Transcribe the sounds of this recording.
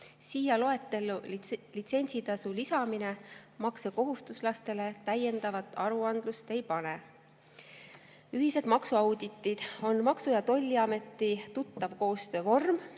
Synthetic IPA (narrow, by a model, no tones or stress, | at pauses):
siːjɑlo̞e̞t̪ːˑe̞lːulit̪se̞nʲsit̪ɑsulisɑmine̞mɑkseko̞ɦust̪uslɑst̪e̞le̞t̪æje̞nd̪̥ɑvɑt̪ːˑɑɾuɑnd̪̥lust̪e̞jpɑne̞ | yɦise̞d̪mɑksuɑwd̪it̪ːˑid̪̥o̞nmɑksujɑt̪o̞lʲːiɑme̞t̪ːˑit̪ut̪ˑːɑvko̞ːst̪ø̞ːvo̞rm